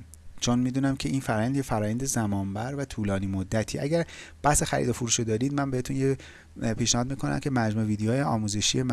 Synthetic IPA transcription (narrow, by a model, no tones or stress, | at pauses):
t͡ʃʰonmiːd̪uːnæmcʰeʔiːnfæɾɒːjænd̪jefæɾɒːjænd̪ezæmɒːmbæɾvæt̪ʰuːlɒːniːmod̪ːæt̪ʰḭʔæɟæɾb̥æhse̞xæɾḭd̪ofuɾuːʃod̪ɒːɾiːd̪mænbe̞het̪ʰunje | pʰiːʃnæhɒːd̪̚miːkʰo̞næ̰mcʰe̞mæd͡ʒmuːeviːd̪ejɒːjeɒːmuze̞ʃḭjem